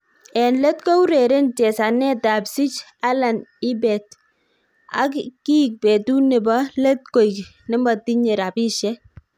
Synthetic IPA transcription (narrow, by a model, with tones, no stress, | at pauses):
ɛnle˦tkɔ˦u˦ɾe˨ɾe˦nt͡ʃɛ˨sa˨nɛ˦ta˨psi˦t͡ʃ | a˦la˨ni˦bɛ˨t̚ | a̰˦kki˦˨k̚pe˨tu˦ne˨bɔ˦le˦t̚ko˨jknɪ˦mbɔ˨ti˦ɲe˨ɾa˨bi˦ʃɛ˦